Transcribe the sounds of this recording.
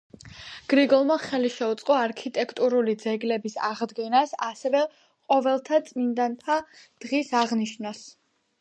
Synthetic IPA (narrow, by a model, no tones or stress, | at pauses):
ɡ̥ɾiɡɔlˠmaχɛliʃɛut̪sʼqʼɔaɾkʰit̪ʼɛkʰt̪ʼuɾulid̪zɛɡlɛbisaʁd̪ɡɛnasasɛvɛ | qʼɔvɛlˠt̪ʰat̪sʼmind̪ant̪ʰad̪̥ʁisaʁniʃnas